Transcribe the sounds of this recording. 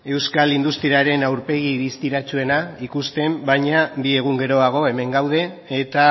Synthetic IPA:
e̞wskalind̪ust̪ɾiaɾe̞nawɾpe̞ɣiβist̪iɾat͡ʃue̞naikust̪e̞mbajɲabie̞ɣ̞uŋɡe̞ɾo̞aɣ̞o̞e̞me̞ŋɡawð̞e̞ː | t̪a

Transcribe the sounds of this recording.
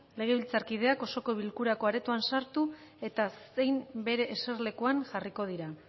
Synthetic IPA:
le̞ɣ̞e̞βilt͡saɾkið̞e̞ako̞so̞ko̞β̞ilkuɾako̞aɾe̞t̪uansaɾt̪ue̞t̪ase̞jmbe̞ɾe̞ʔːse̞ɾle̞kuaŋʝariko̞ð̞iɾa

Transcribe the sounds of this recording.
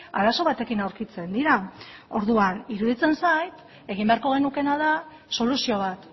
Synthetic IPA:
a̰ɾaso̞β̞at̪e̞kinawɾkit͡se̞nd̪iɾao̞ɾðuaniɾuðit͡se̞nsajt̪ | e̞ɣ̞imbe̞aɾko̞ɣ̞e̞nuke̞naða | so̞lusio̞β̞at̪

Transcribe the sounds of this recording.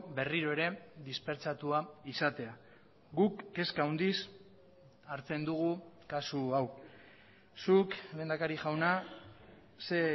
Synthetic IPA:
be̞riɾo̞e̞ɾe̞ðispe̞ɾt͡sat̪uaisat̪e̞a | ɡukːe̞skauwnd̪is | aɾt͡se̞nd̪uɣukasuaw | sukle̞ːnd̪akaɾiʝawna | se

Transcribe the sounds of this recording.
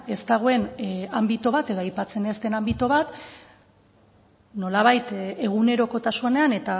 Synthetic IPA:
e̞st̪aɣ̞o̞e̞nambit̪oβ̞at̪e̞ðo̞ajpat͡se̞nest̪e̞nambit̪oβat̪ | no̞laβ̞ajt̪e̞ɣ̞une̞ɾo̞ko̞t̪asuane̞ane̞t̪a

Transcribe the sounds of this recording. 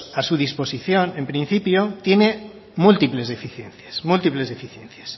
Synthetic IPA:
asuðisposiθjonẽmpɾĩn̟θipjot̪jene | mult̪iplezðefiθjẽnθje̥smult̪iplezðefiθjẽn̟θje̥s

